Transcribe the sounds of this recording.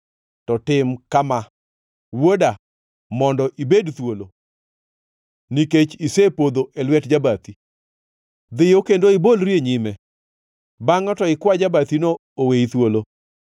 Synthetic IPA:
tɔtɪmkama | woda | mɔndɔʔibedt̪wolo | niket͡ʃisepod̪oʔelwɛtd͡ʒabat̪i | d̪ɪjokendoɪbolɾjeɲimɛ | baŋɔtɔɪkwad͡ʒabat̪ino | oweit̪wolo

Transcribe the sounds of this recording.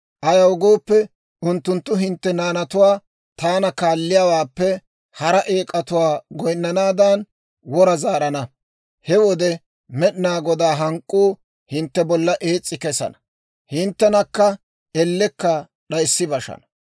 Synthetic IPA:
ʔɐjɐwɡo̞ːpːɛ | ʊnt̪ːʊnt̪ːʊɦɪnt̪ːɛnaːnɐt̪ʊwaː | t̪aːnɐkaːlːɪjaːwaːpːɛ | hɐɾɐʔe̞ːkʼːɐt̪ʊwaːɡɔjnːɐnaːd̪ɐn | wɔɾɐzaːɾɐnɐ | hɛwɔd̪ɛ | mɛɗnaːɡɔd̪aːɦɐŋkʼːuː | hɪnt̪ːɛbɔlːɐʔeːt͡sʼːɪkɛsɐ̰nɐ̥ | hɪnt̪ːɛnɐkːɐ | ɛlːɛkːɐ | ɗɐjsːɪbɐʃɐ̰nɐ̥

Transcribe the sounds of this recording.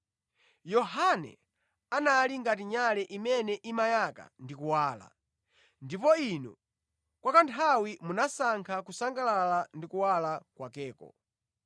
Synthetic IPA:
jɔhanɛ̰ | analiŋɡatiɲalɛʔimɛnɛʔimajaka̰ndikuwaːla̰ | ndipɔinɔ | kwakantʰawimunasaŋkʰakusaŋɡalalandikuwalakwakɛːkɔ̰

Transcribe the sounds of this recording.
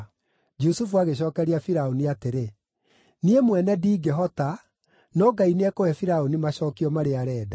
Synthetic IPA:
d͡ʒusufuaɣeɕ̬ɔːkɛɾiafiɾaoniateɾe | niemwɛnɛdiːɡeɦɔta | nɔɡaineɛkoɛfiɾaonimaɕɔːkiɔmaɾeaɾɛːda

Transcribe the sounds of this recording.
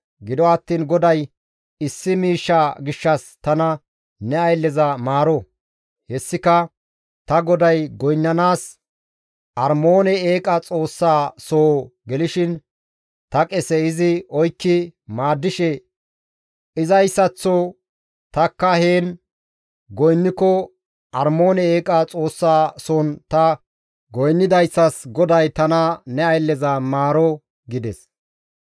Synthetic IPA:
ɡɪd̪ɔɐt̪ːiːnɡɔd̪ɐj | ɪsːɪmiːʃːaɡɪʃːɐst̪ɐnɐ | nɛɐjlːɛzɐmaːɾɔ | hɛsːɪkɐ | t̪ɐɡɔd̪ɐjɡɔjnːɐnaːs | ʔɐɾmoːnɛeːkʼɐt͡sʼo̞ːsːaːsoːɡɛlɪʃɪn | t̪ɐkʼɛsɛɪzɪɔjkːɪmaːd̪ːɪʃɛ | ʔɪzɐjsːɐt͡sːɔ | t̪ɐkːɐheːn | ɡɔjnːɪkːɔ | ʔɐɾmo̞ːnɛeːkʼɐt͡sʼo̞ːsːaːsɔnt̪ɐ | ɡɔjnːɪd̪ɐjsːɐsɡɔd̪ɐjt̪ɐnɐnɛɐjlːɛzɐmaːɾɔ | ɡɪd̪ɛs

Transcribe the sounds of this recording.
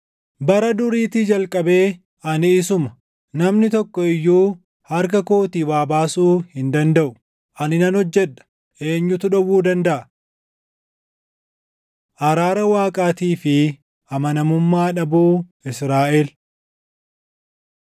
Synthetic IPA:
bɐɾɐd̪ʊɾiːt̪ɪd͡ʒɐlkʼɐbe̞ː | ɐnɪːsʊmɐ | nɐmnɪt̪ɔkːɔɪjːuː | hɐɾk̬ɐkoːt̪iwaːbaːsuːhɪnd̪ɐnd̪ɐʔʊ | ʔɐnɪnɐnhɔd͡ʒːɛᶑɐ̥ | ʔe̞ːɲːʊt̪ʊᶑɐwuːd̪ɐnd̪ɐʔɐ | ʔɐɾaːɾɐwaːkʼaːt̪iːfɪ | ʔɐmɐnɐmʊmːaːᶑɐbuːɪsɾaːʔeːl

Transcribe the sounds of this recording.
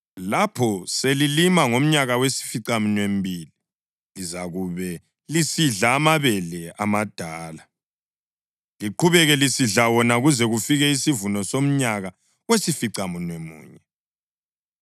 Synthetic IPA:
lapʰɔselilimaŋom̩ɲaɣawesi̥fiǀamunwem̩bʱiːli | lizaɣuβɛ | lisiɮaːmaβɛlɛamad̥ʱaːla | liǃʰuβɛɣɛlisiɮawɔnaɣuzɛɣufiɣɛisivunɔsom̩ɲaɣa | wesifiǀamunwemṵːɲɛ

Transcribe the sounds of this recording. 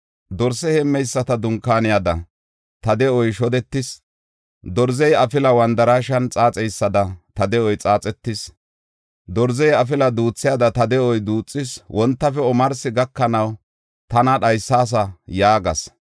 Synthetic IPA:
d̪ɔɾsɛhɛmːɛjsːɐt̪ɐd̪ʊŋkːaːnɪjɐd̪ɐ | t̪ɐd̪ɛɔjʃɔd̪ɛt̪ːɪs | d̪ɔɾzɛjɐfɪlɐwɐnd̪ɐɾaːʃɐnt͡sʼaːt͡sʼɛjsːɐd̪ɐt̪ɐd̪ɛɔjt͡sʼaːt͡sʼɛt̪ːɪs | d̪ɔɾzɛjɐfɪlɐd̪uːt͡sːɪjad̪ɐt̪ɐd̪ɛʔɔjd̪uːt͡sʼːɪswɔnt̪ːɐfɛɔmɐɾsɪɡɐkːɐnɐw | t̪ɐnɐɗɐjsːaːs̬ɐjaːɡɐs

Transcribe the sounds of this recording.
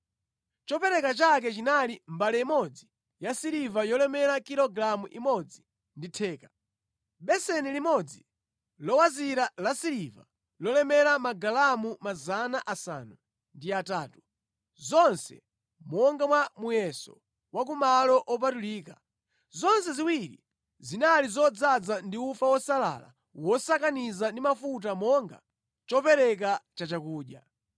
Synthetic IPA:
t͡ʃɔpɛɾɛkat͡ʃak̬ɛt͡ʃinalimbalɛimɔd͡zi | jasiɾivajɔlɛmɛɾakiɾɔɡɾamuʔimɔd͡zi | nditʰɛːkḁ | ɓɛsɛnilimɔd͡zi | lɔwaziɾalasiɾiva̰ | lɔlɛmɛɾamaɡalamumazanaʔasa̰ːnu | ndiataːtu̥ | zɔnsɛ̰ | mɔŋɡamwamujɛsɔ̰ | wak̬umalɔʔɔpatuliːka | zɔnsɛziwiɾḭ | zinalizɔd͡zad͡zandiufawɔsala̰la̰ | wɔsakanizandimafut̬amɔŋɡa̰ | t͡ʃɔpɛɾɛkat͡ʃat͡ʃakuːɗja̰

